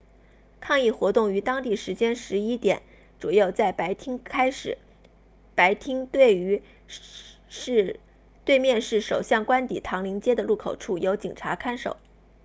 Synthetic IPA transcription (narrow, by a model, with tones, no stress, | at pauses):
kʰɑ˥˧ŋi˥˩xwɔ˧˥t̪ʊ˥˩ŋy˧˥t̪ɑ˥ŋt̪i˥˩ʂɻ̩˧˥t͡ɕjɛ˥nʂɻ̩˧˥i˥t̪jɛ̰˨˩˦n | ʈ͡ʂu˨˩jo˥˧ʊt͡sa˥˩ɪpʰkʰa˥ɪʂɻ̩˨˩ | pa˧˥ɪt̪ʰi˥ŋ˥˩˧ | t̪we˥˧ɪmjɛ˥˧nʂɻ̩˥˩ʂo˨˩ʊɕjɑ˥˩ŋkwa˥nt̪ḭ˨˩t̪ʰɑ˧˥ŋli˧˥ŋt͡ɕjɛ˥d̪ə˨lu˥˩kʰo˨˩ʊʈ͡ʂʰu˥˩jo˧˥ʊt͡ɕi˨˩ŋʈ͡ʂʰa˧˥kʰa˥nʂo̰˨˩˦ʊ